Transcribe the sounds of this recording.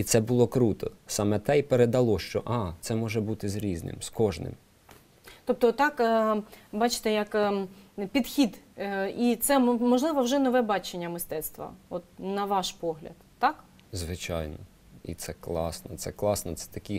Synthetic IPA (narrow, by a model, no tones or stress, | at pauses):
it̪sɛbʊlˠɔkɾut̪ɔsɑmɛt̪ɛipeɾed̪ɐlˠɔʃt͡ʃɔʔɑt̪sɛmɔʒɛbut̪ɪzɾʲiznɪ̰mskɔʒnɪ̰m | t̪ɔp̚t̪ɔt̪ːɑkː | bɑt͡ʃɪ̥t̪ɛjɐk | pʲid̪xʲid̪it̪sɛmɔʒlˠɪʋɐwʒɛnɔʋɛbɑt͡ʃenʲːɐmɪst̪ɛt̪st̪ʋɐ̰ɔt̪̚nɐʋɑʃpɔɦlʲɐ̰d̪ːɑk | zʋɪt͡ʃɑ̰jnɔ | ḭt̪sɛklˠɑ̰snɔt̪sɛklˠɑsnɔt̪sɛ̥t̪ɐkʲi